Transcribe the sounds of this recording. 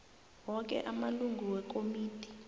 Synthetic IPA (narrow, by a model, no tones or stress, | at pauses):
wɔk̬ʼɛ̰ʔamaluŋɡʱuwɛk̬ʼomiːti̥